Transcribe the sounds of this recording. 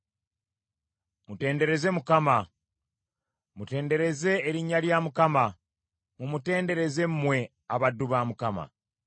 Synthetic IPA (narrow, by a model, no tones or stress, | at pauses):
mute̞ːnde̞ɾe̞ze̞mukama | mute̞ːnde̞ɾe̞ze̞ːɾiɲːaljamukama | mumute̞ːnde̞ɾe̞ze̞mmwe̞ | aβadːuβaːmukama̰